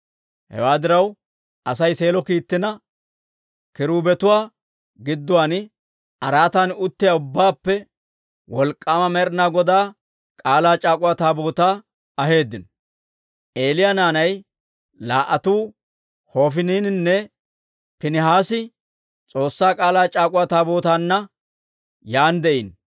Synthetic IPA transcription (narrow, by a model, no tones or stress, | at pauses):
hɛ̰waːd̪ɪɾɐw | ʔɐsɐjse̞ːlɔkiːt̪ːɪnɐ | kɪɾuːbɛt̪ʊwaː | ɡɪd̪ːʊwaːn | ɐɾaːt̪anʊt̪ːɪjaʊbːaːpːɛ | wɔlkʼːaːmɐmɛɾnaːɡɔd̪aː | kʼaːlaːt͡ʃʼaːkʼʊwaːt̪aːboːt̪aː | ɐɦe̞ːd̪ːɪn | ʔeːlɪjanaːnɐj | la̰ːʔɐt̪uː | ho̞ːfɪniːnɪnːɛ | pɪnɪɦaːsɪ | t͡sʼo̞ːsːaːkʼaːlaːt͡ʃʼaːkʼʊwaːt̪aːboːt̪aːnːɐ | jaːnd̪ɛʔin